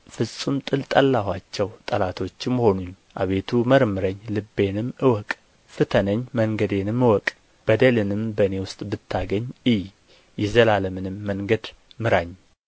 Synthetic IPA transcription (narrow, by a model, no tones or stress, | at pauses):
fɨsʼumt̪ʼɨlt̪ʼəlːahwat͡ʃːɛwt̪ʼəlat̪ʰo̞t͡ʃːɪmːho̞nuɲ | ʔaβe̞t̪ʰuməɾmɨɾəɲːlɨbːe̞nɨmɨwɔkʼ | fɨt̪ʰənəɲːməŋɡəd̪enɨmːɨwɔkʼ | b̥əd̪əlɨnɨmbəɨne̞wʊst̪ʼbɨt̪ʰːaɡəɲːɨj | jɛzəlaləmɨnɨmːəŋɡəd̪ | mɨɾaɲː